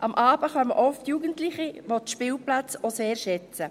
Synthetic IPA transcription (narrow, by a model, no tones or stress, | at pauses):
ʔɑmʔɑːb̥əχɑmə̰ʔɔftjuːɡəntlɪχiʋotʃpɪːlplat͡soseːɾʃɛt͡sə